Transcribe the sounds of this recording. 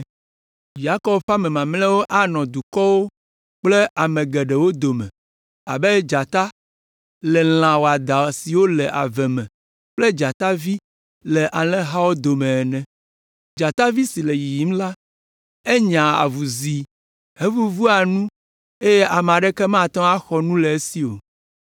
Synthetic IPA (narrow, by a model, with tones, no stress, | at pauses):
ja˦kɔ˦bɸa˦mɛ̃˨mã˨mlɛ̃˦wo˦ʔa˦nɔ̃˨d̪u˨kɔ˦wo˦ | k͡plɛ˦ʔa˨mɛ̃˨ɡɛ˨ɖɛ˨wo˦d̪o˨mɛ̰̃˨ | a̰˨bɛ˦d͡ʒa˨t̪a˦ | lɛ˨l̃ã˨wo˨a˨d̪a˨si˨wo˦lɛ˨ʔa̰˨vɛ˨mɛ̃˨ | k͡plɛ˦d͡ʒa˨t̪a˦vi˦ | lɛ˨ʔa˨lɛ̃˦ɦa˦wo˦d̪o˨mɛ̃˨ɛ˨nɛ̃˨ | d͡ʒa˨t̪a˦vi˦si˨lɛ˨ji˨ji˨˦m˦la˦ | e˦ɲã˨a̰˨vu˨zi˨ | ɦe˦vu˦vu˦a˨nũ˦ | e˦jɛ˦ʔa˨m˨a˨ɖɛ˦kɛ˦mã˦˨t̪ɔ̃˦a˦xɔ˨nũ˦lɛ˨e˦si˦o̰˨